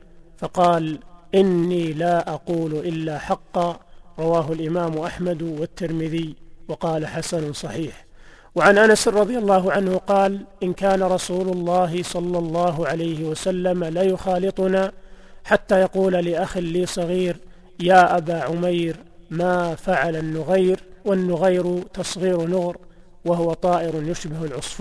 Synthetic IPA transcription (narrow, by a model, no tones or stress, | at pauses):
fɑqɑːlʔɪnːiːlaːʔɑquːlʔɪlːaːħɑqːɑɾˤɑwaːɦʊalʔɪmaːmʔaħmad̪wat̪ːɪɾmɪðɪjwɑqɑːlaħasansˤɑħiːħ | waʕanʔanasˤɑðˤjalˤːɑːɦʊʕanhʊqɑːlʔɪnkaːnaɾˤɑsuːlʊlˤːɑːɦɪsˤɑlːɑlˤːɑːɦʊʕalajhɪwasalːamalajʊxɑːlɨt̪ˤʊnaːħat̪ːajɑquːlalɪʔaxaːiːsˤɑɣiːɾ | jaːʔabaːʕʊmajɾ | maːfaʕalanːʊɣajɾwanːʊɣajɾʊt̪ɑsˤɣiːɾnʊɣɾ | waɦʊwat̪ˤɑːʔɪɾʊnjʊʃbɪhalʕʊsˤf